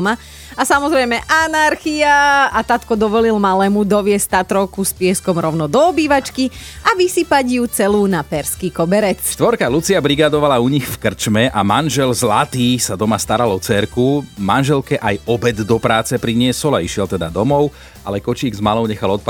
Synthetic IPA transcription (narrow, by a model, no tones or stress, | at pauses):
ma | asamɔzɾɛjmɛʔanaɾxiaat̪at̪kɔd̪ɔʋɔlilmalɛːmud̪ɔʋɪɛst̪at̪ɾɔʊkuspɪɛskɔmɾɔʊnɔd̪ɔːbiːʋat͡ʃkiaʋisipaɟjut͡sɛluːnapɛɾskiːkɔbɛɾɛt͡sʃt̪ʋɔɾkalut͡siabɾiɡad̪ɔʋalauɲixfkr̩t͡ʃmɛʔamanʒɛlzlat̪iːsad̪ɔmast̪aɾalɔt͡sɛɾkumanʒɛlkɛʔajɔbɛd̪d̪ɔpɾaːt͡sɛpɾiɲɪɛsɔlaiʃɪɛlt̪ɛd̪ad̪ɔmɔʊ | ʔa̰lɛkɔt͡ʃiːɡzmalɔʊɲɛxalɔt̪̚pa